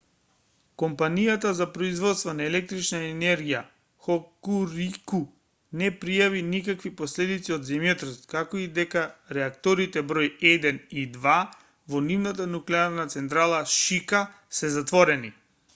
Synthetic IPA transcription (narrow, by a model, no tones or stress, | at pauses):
kɔmpanijat̪azapɾɔizvɔt̪st̪vanaɛlɛk̚t̪ɾit͡ʃnaɛnɛɾɡija | xɔkuɾiku | nɛpɾijavinikakvipɔslɛd̪it̪siɔd̪zɛmjot̪ɾst̪kakoid̪ɛkaɾɛakt̪ɔɾit̪ɛbɾɔjɛd̪ɛnid̪va | vɔnivnat̪̬anuklɛaɾnat̪sɛnt̪̬ɾalˠaʃika | sɛzat̪vɔɾɛni